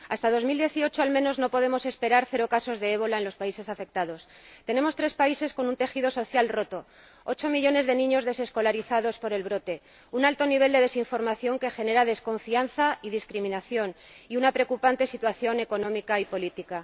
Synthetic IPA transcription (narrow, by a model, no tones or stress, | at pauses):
ast̪að̞o̞zmild̪je̞θio̞t͡ʃoalmẽ̞no̞zno̞po̞ðe̞mo̞se̞spe̞ɾaɾθe̞ɾo̞kaso̞zðe̞eβo̞laenlo̞spaise̞safe̞k̚t̪aðo̞st̪e̞ne̞mo̞st̪ɾe̞spaise̞sko̞nunt̪e̞xið̞o̞so̞θjalro̞t̪o̞ | o̞t͡ʃo̞miʎo̞ne̞zðe̞nĩɲo̞zðe̞se̞sko̞laɾiθaðo̞spo̞ɾe̞lβɾo̞t̪e̞ | unalt̪o̞niβ̞e̞ld̪e̞ðe̞siɱfo̞ɾmaθjo̞ŋke̞xe̞ne̞ɾaðe̞sko̞ɱfianθaiðiskɾimĩnaθjo̞n | iunapɾeokupant̪e̞sit̪waθjo̞ne̞ko̞nõ̞mikaipo̞lit̪ika